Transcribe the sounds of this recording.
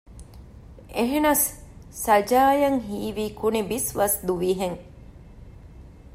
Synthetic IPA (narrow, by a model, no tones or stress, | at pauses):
eɦenɐsːɐd͡ʒaːjɐŋɦiːʋiːkunibisʋɐsd̪uʋiːɦeŋ